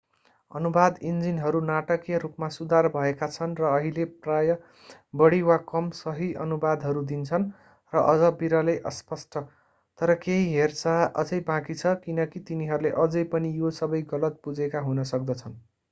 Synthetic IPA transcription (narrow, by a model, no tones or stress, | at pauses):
ʌ̰nubad̪ind͡zinɦʌɾunaʈʌkjʌɾupmasud̪arbʱʌekat͡sʰʌnrʌːɦileprajʌ | bʌɽiwakʌmsʌɦiʔʌnubad̪ʱɦʌɾud̪int͡sʰʌn | rʌʔʌd͡zʌbiɾʌlejʔʌ̰spʌsʈʰʌ | t̪ʌɾʌkeɦiɦert͡saʌ̰d͡zʌjbãkit͡sʰʌkinʌkit̪iniɦʌɾuleʔʌd͡zʌjpʌnijosʌbʌjɡʌlʌt̪̚pud͡zekaɦunʌsʌk̚d̪ʌt͡sʰʌn